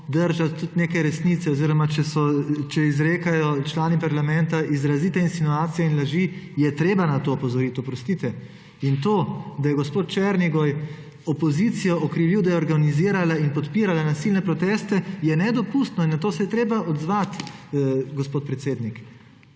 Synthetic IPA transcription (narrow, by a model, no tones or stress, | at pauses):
d̪əɾʒat̪ːut̪neːkajɾɛsnit̪sɛɔziːɾɔmat͡ʃɛsɔt͡ʃɛizɾeːkajɔt͡ʃlaːnipaɾlamɛnt̪aʔizɾaziːt̪ɛinsinuaːt̪sijainlaʒijɛt̪ɾeːbanat̪oːpɔzɔɾit̪ɔpɾɔst̪iːt̪ɛ | int̪oːd̪ajɛɡospoːt̪t͡ʃɛɾniɡɔj | ɔpɔzit̪sijɔɔkɾiʋiwd̪ajɛɔɾɡaniziːɾalainpɔt̪piːɾalanasiːlnɛpɾɔt̪ɛːst̪ɛjɛnɛd̪ɔpust̪nɔinːat̪oːsɛjɛt̪ɾeːbaɔd̪zʋat̪ | ɡɔspoːt̪̚pɾɛt̪seːd̪nik